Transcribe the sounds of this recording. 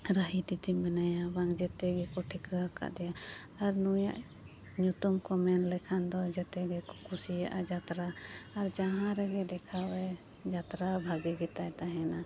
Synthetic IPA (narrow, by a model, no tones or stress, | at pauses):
ɾaɦit̪it̪imɛnajabaŋd͡ʒɛt̪ɛɡɛkɔʈʰikɦaka̰ʔd̪ɛja | aɾnuja̰ʔ | ɲut̪umkɔmɛnlɛkʰand̪ɔd͡ʒɛt̪ɛɡɛkɔ̥kʰusijaʔad͡ʒat̪ɾaːɾd͡ʒaɦãɾɛɡɛd̪ɛkʰawɛ | d͡ʒat̪ɾabʱaɡiɡɛt̪ajt̪aɦɛna